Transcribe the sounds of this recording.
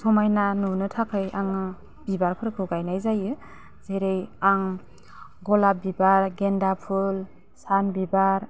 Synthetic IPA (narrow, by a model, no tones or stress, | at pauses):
sɔmajnanunɯtʰakʰɯjaŋɯ | b̥ibaɾpʰɯɾkʰɯɡajnajzajɯ | z̥ejɾɯjaŋ | ɡɔlabibaɾɡendapʰul | sanbibaɾ